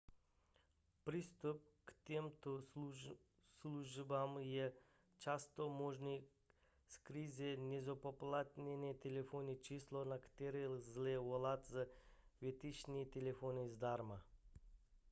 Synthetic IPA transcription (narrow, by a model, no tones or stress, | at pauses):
pɾist̪up̚kt̪emt̪o | sluʒbamjɛ | t͡ʃast̪omoʒni | skɾizʲenʲezopoplˠat̪nʲenet̪elefonit͡ʃislonakt̪eɾilzlewolˠat̪zaʋet̪it͡ʃnit̪elefonizd̪aɾma